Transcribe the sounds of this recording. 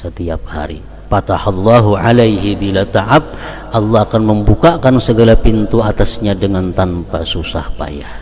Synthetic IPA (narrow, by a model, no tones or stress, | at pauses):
sət̪iap̚ha̰ɾḭ | pat̪ahɑlːaɦuʕa̰lajɦibilat̪aʕap̚ | ʔɑlːɑhakanməmbukakansəɡalapint̪uat̪asɲadəŋant̪anpasusa̰hpa̰jah